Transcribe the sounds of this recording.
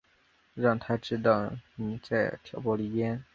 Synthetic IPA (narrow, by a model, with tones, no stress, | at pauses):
ɻɑ˥˩ŋt̪ʰa˥ʈ͡ʂɻ̩˥t̪̬ɑ˥˩ʊni˨˧˩t͡sa˥˩ɪt̪ʰjɑ˨˩ʊpwɔ˥li˥˩jɛ˥n